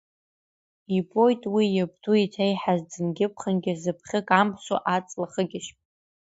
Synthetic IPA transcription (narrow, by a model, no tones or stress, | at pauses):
ibʼojtʼwijab̚tʰʼuitʰejħazd͡zɨnɡʲɪp̚ʰχənɡʲɪzɨpʰχʲɪkʼampʰso̰ʔat͡sʼlaχəɡʲɪʃpʼ